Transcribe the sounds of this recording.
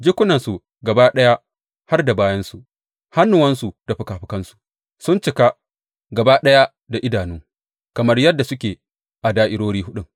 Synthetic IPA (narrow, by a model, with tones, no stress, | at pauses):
d͡ʒɪ˦kʷʊ˦nɐ˨nsu˨ | ɡɐ˨baː˦ɗɐ˦ja˦ | ha˦rda˨baː˦jɐ˦nsu˨ʔ | ha˦nːʊ˨wɐ˦nsu˨d̥a˨ɸʊ˨kaː˨ɸɪ˦kɐ˦nsu̥˨ | sʊ˦nt͡ʃɪ˨ka˦ | ɡɐ˨baː˦ɗɐ˦ja˦ | da˨ʔɪ˦daː˨nuː˦ŋ | kɐ˨mɐ˦rjɐ˦dːa˨sʊ˦kʲeː˨ | ʔa˨daː˦ʔɪ˦ɽoː˦ɽiː˦ɦʊ˦ɗʊ˦ŋ